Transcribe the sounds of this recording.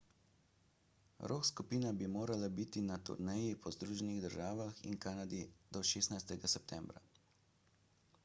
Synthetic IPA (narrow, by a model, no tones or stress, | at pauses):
ɾoːkskupiːnabimoːɾalabit̪inat̪ṵɾnɛjipʰɔzd̪ɾuːʒɛniɣd̪əɾʒaːʋaxḭnkaːnad̪id̪̥ɔʃeːsnajst̪ɛɡasɛp̚t̪ʰɛmbɾa̰